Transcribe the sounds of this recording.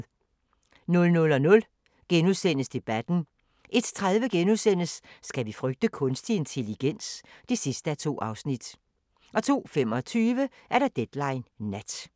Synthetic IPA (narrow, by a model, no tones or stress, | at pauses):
nɔ̽lnɔ̽lɒ̽nɔ̽l | ɡ̥enuðˠsen̰əsd̥e̝b̥æd̥n̩ | ʔe̝d̥t͡sʰʁaðˠʋəɡ̥enuðˠsen̰əsːɡ̥æʋifʁœɡ̥̚d̥əkʰɔ̽nsd̥ie̝nt͡sʰe̝liɡ̥en̰sd̥isisd̥əæt͡sʰo̝̰ːʔɑ̈ʊsnid̥ | ʔɒ̽t͡sʰo̝̰ːfem̰ɒ̽t͡sʰyːʋəʔæɐɾ̥ɑ̈d̥ed̥lɑ̈ɪnːæd̥